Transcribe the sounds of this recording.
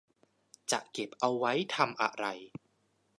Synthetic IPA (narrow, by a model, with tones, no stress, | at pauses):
t͡ɕa˨˩ʔke˨˩p̚ʔa˧wːa˦˥jt̪ʰa˧mʔa̰˨˩ʔɾa˧j